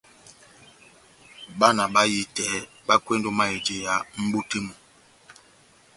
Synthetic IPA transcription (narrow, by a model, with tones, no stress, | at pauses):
ɓa˦na˨ɓa˦ji˦tɛː˨˦ | ba˦kwe˦ndo˦ma˦e˨de˨ja˨˦m̩˦bo˦te˦mɔ˨